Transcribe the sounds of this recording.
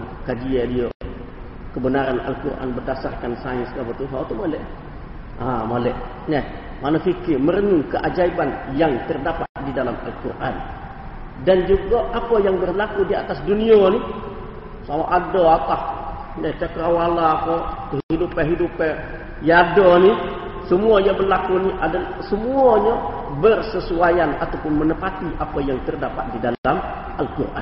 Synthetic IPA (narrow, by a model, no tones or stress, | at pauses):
kad͡ʒijedijo | kəbənaɾanʔa̰lkuɾʔa̰ːnbədasarkansaɲiskabətuɦotumolɛ | amolɛ | nɛ | manɐfikːiməɾnuŋkəʔad͡ʒajbanjaŋtirdafaʔdidalama̰lkuɾʔa̰ːn | dɐnd͡ʒukːoʔakːojaŋbərlakudia̰tasdunijoni | samaʔadoapah | nat͡ʃakəawalaːpakəɦɦidupaɦidupa | jadoni | səmuaɲabərlakuniʔadalsəmuaɲa | bərsəsuajanat̪awpʊnmənəpat̪iʔapajaŋt̪ərdapat̪̚didaam | ʔalkurʔa̰